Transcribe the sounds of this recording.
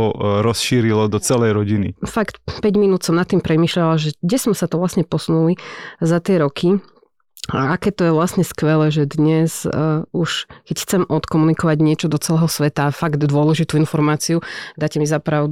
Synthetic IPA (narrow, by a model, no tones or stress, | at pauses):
ɔɾɔsʃiːɾilɔd̪ɔt͡sɛlɛjɾɔɟinḭfakt̪pɛɟminuːt̪sɔmnat̪ːimpɾɛmiːʃʎalaʒɛɡɟɛsɔmsat̪ɔʋlasɲɛpɔsunulizat̪ɪɛɾɔkʰi | akɛːt̪ɔjɛʋlasɲɛskʋɛlɛːʒɛd̪ɲɛzuʃkɛcxt͡sɛmʔɔt̪kɔmunikɔʋaɟɲɪɛt͡ʃɔd̪ɔt͡sɛlɛːɦɔsʋɛt̪afaɡd̪d̪ʊɔlɛʒit̪uinfɔɾmaːt͡siud̪aːcɛmizapɾaʊd̪